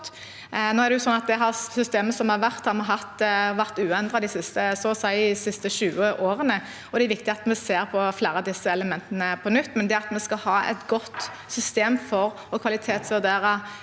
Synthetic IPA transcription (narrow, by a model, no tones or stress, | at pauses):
noːɛɾd̪ɛjʊsɔnːɑt̪̚d̪ɛɦɑʁsʏst̪eːməsɔmhɑɾʋæɾt̪hɑɾmɑɦɑt̪ːʋæʁt̪ʉːɛnd̪ʁɑd̪ɪsɪst̪əsɔsæɪɪsɪst̪əʃʉːəʔoːɾənə | ɔd̪ɛɾʋɪkt̪ɪɑt̪mɛseːɾpʰɔfleːɾəɑd̪ɪsːəɛləmɛnt̪ənəpʰɔnʏt̪ːmɛnd̪ɛɑt̪mɛskɑhɑːɛ̰t̪ɡɔt̪ː | sʏst̪eːmfɔɾ | ɔkʰʋɑlɪt̪ʰeːt̪sʋʉʁd̪eːɾə